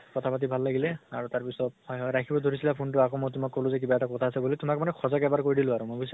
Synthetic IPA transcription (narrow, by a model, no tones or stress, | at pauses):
kɔtʰapat̬ibʱalːaɡilɛaɹutaɹpisɔtɔjɦɔjɹakʰibɔdʱoɹisilapʰuntʊakomojtʊmakːolʊ̃zɛk̬ibaɛtakɔtʰaːsɛbulitʊmakmanɛxʰɔzɔkɛbaɹkoɹidilʊ̃aɹumojkojs